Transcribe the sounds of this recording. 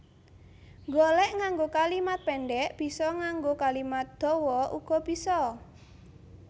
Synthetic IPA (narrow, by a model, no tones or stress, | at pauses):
ŋɡolɛʔŋaŋɡokalimat̪̚pɛɳɖɛʔb̥i̤sɔŋaŋɡokalimat̪̚d̪̥ɔ̤wɔʔuɡ̥ɔ̤b̥isɔ